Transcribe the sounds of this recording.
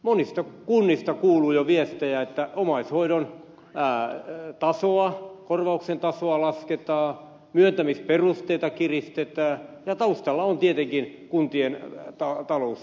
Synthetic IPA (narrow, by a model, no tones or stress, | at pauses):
monist̪ɑkunːist̪ɑkuːluːjoʋiest̪ejæet̪ːæomɑishoiɾon | t̪ɑsoɑkorʋɑuksent̪ɑsoɑlɑsket̪ɑː | myønt̪æmisperust̪eit̪ɑkirist̪et̪æːjɑt̪ɑust̪ɑlːɑont̪iet̪eŋkinkunt̪ient̪ɑt̪ɑlous